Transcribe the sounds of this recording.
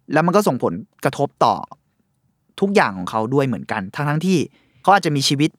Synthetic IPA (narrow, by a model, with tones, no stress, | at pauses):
lɛː˦˥wma˧nkɔː˥˩so˨˩ŋpʰo˩˦nka˧t̪ʰo˦˥p̚t̪ɔ̰ː˨˩ | t̪ʰu˦˥k̚jaː˨˩ŋkʰɔː˩˦ŋkʰa˦˥wdu˥˩əjmɯ˩˦ənka˧nt̪ʰaː˦˥ŋt̪ʰa˦˥ŋt̪ʰiː˥˩ | kʰa˦wʔaː˨˩t̚t͡ɕa˨miː˧t͡ɕʰiː˧wi˦˥t̪̚